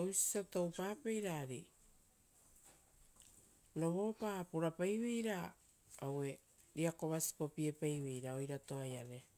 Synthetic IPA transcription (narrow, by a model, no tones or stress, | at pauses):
owsi̥tatowpaːpe̞jɾaɾi | noβo̞papuɾapajβejɾa | owe̞ | ɾiako̞βasi̥po̞pie̞pajβe̞jɾao̞jɾato̞ajaɾe